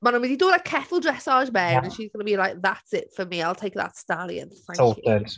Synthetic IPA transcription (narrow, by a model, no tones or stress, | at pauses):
mãnə̃wididoːlaɪkʰɛθəl̩ˠdɹɛsɑːʒmɛnə̃nʃizɡʌnəbilˠaɪk̚ðatsɪtfəmiaɪlˠtʰejk̚ðə̰tstalˠḭə̰̃nθãŋo̥əs